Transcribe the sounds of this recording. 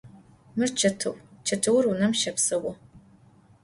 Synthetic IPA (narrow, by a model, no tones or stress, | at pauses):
mɨrt͡ʃʰɐtʰɨwt͡ʃʰɐtʰɨwʊrunɐmʃɐpsɐwɔ